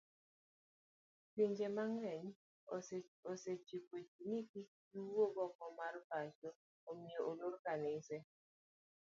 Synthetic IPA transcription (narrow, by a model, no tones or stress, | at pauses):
piɲd͡ʒemaŋɛɲ | oset͡ʃipot͡ʃiniki | iwoɡɔkɔmarbat͡ʃɔ | omioʔolorkanɪsɛ